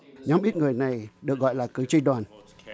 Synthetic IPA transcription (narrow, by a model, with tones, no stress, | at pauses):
ɲɔ˨˦mɓi˦˥t̚ŋɨ˨˩əjna˨˩jɗɨ˨˩ək̚ɣɔ̰˧˨jlaː˨˩kɨ˨˦t͡ɕi˧ɗwaː˨˩n